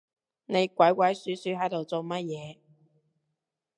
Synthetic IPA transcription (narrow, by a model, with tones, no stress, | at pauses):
ne˨˧jkʷɐ˨˥jkʷɐ˨˥jsyː˨˥syː˨˥ɦɐ˨˥jt̪o˨wt͡so˨wmɐ˥t̚jɛː˨˧